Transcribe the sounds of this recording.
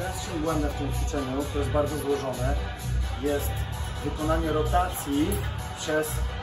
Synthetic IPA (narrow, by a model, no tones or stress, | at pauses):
ɛ̃sɕɔ̃ŋ̃ɡwɛnd̪ɛft̪ɪmpfʲɛ̥sɛɲut̪sɔjɛd̪baɾd̪zɔzwɔʐɔnɛ | jɛst̪vɨkɔnaɲɛɾɔt̪at̪sʲji | pʂɛs